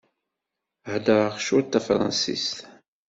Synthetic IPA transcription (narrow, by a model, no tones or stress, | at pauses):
hd̪əɾˤəʁʃʊɾt̪ːæfɾˤɑ̰nsḭst̪